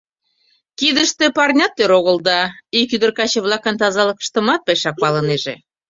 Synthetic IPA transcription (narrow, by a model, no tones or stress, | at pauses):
kid̪əʃt̪epɑrnʲɑt̪ːøɾoɣəld̪ɑikyd̪ərkɑt͡ɕĕβlɑkənt̪ɑzɑlɤkə̥ʃt̪ə̆mɑt̪̚peʃɑk̚pɑləneʒḛ